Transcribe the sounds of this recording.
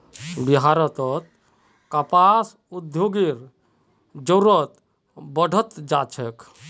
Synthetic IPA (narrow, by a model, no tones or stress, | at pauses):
biɦaɾɔt̪ɔt̪̚ | kapas | ud̪joɡiɾ | d͡ʒɔɾɔt̪ | bɔɖʱɔt̪d͡ʒat͡ʃʰek